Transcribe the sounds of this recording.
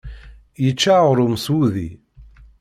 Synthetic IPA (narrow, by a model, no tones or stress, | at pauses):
jət͡ʃːaʁʊɾʊmsuðḭ